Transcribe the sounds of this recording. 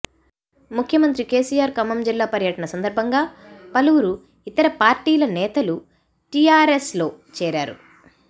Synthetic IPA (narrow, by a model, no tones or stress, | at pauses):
mukʰjɐmɐnt̪ɾike̞ːsiːjaːɾkɐmɐmd͡ʒilːaːpɐɾjɐʈɐnɐsɐnd̪ɐɾbʱɐŋɡaːpɐluwuɾu | it̪ːɐɾɐpaːɾʈiːlɐnɛːt̪ɐlu | ʈiːaːɾeslo̞ːt͡ʃɛːɾaːɾṵ